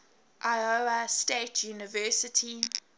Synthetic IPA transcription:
ʔaɪoastetʰjuːnɪvɜːˑsɪtʰi

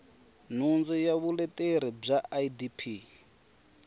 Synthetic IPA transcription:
n̤und͡zɔjaβulɛtʼeɾib͡ʐaʔaidipʰi

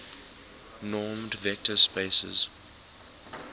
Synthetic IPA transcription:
nɔːmdvɛk̚tʰəspeɪsə̰z̥

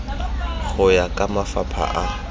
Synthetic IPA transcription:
χʊjakʼamafapʰa̰ʔa

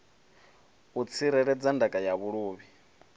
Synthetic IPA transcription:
ut͡sʰiɾɛɺɛd͡zandakʼajaβuɺuːβi

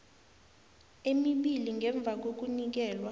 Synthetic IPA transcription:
emiɓiliŋʱɛɱb̪vʱak̬ok̬unik̬ɛːlwa

